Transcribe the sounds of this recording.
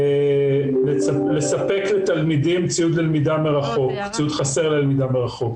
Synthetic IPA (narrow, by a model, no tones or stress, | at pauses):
leale̞sape̞klet̪almid̪imt͡siud̪lelmid̪ameʁaχokt͡siud̪χase̞ʁlelmid̪ameʁaχo̞k